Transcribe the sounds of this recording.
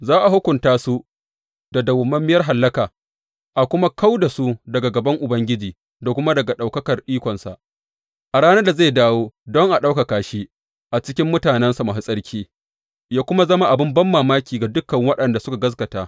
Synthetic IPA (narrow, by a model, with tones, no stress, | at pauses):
zaː˦ʔa˨ɦʊ˦kʷʊ˨ntaː˦su˦ | d̥a˨dɐ˨wʊ˨mɐ˦mːɪ˦jɐ˦rɦa˨lːɐ˦kaː˨ | ʔa˨kʷʊ˦ma˦ka˦wda˨su˦dɐ˨ɡa˨ɡɐ˨bɐ˦ŋʔʊ˨bɐ˦ŋɡʲɪ˦d͡ʒiː˨ | da˨kʷʊ˦ma˦dɐ˨ɡa˨ɗa˨wkɐ˦kɐ˨rɗiː˦kʷɔ˨nsa̰˨ʔ | ʔa˨ɽaː˦na˦da˨zaː˦˨daː˦woː˦dɔ˦ŋʔa˨ɗa˦wka˨kaː˨ʃiː˦ | ʔa˨t͡ʃɪ˦kʲɪ˦mːʊ˦taː˨nɛ˦nsa˨ma˨ɦɪ˦sʼɐ˦ɽkʲʰiː˦ | jaː˦kʷʊ˦ma˦zɐ˦ma˦ʔa˨bɪ˦mbɐ˦mːaː˨maː˦kʲiː˨ɡa˨dʊ˦kːɐ˨ŋwɐ˦ɗɐ˨nda˨sʊ˦ka˨ɡɐ˦s̬kɐ˨taː˦